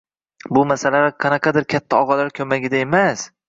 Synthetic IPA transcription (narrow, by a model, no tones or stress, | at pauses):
bʊmasalaɾɪqʰɑnɑqʰɑd̪ɪɾkʲʰat̪ʰːaɒʁɒlaɾkʲʰɵmaɡʲɪd̪ae̞mas